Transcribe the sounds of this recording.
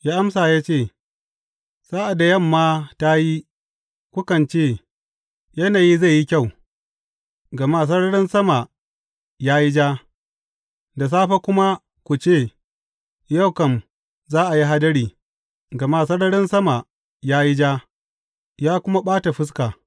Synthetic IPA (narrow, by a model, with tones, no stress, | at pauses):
jaː˦ʔa˦msaː˨jaː˦t͡ʃeː˦˨ | saː˦ʔa˨da˨jɐ˦˨mːaː˦ta˦ji˦ | kʷʊ˦kɐ˨nt͡ʃeː˦˨ | jɐ˦naː˨ji˦za˦˨ji˦kʲa˦˨w | ɡɐ˨maː˦˨s̬ɐ˦ɽɐ˦ɽɪ˦nsɐ˦ma˨ | jaː˦ji˦d͡ʒaː˦ | da˨s̬aː˦ɸa˦kʷʊ˦ma˦ | kʷu˨t͡ʃeː˦˨ | ja˦˨wkɐ˨m | zaː˦ʔa˨ji˦ɦa˦dɐ˦ɾiː˨ | ɡɐ˨maː˦˨sɐ˦ɽɐ˦ɽɪ˦nsɐ˦ma˨ | jaː˦ji˦d͡ʒaː˦ | jaː˦kʷʊ˦ma˦ɓaː˦ta˨ɸɪ˦s̬kaː˨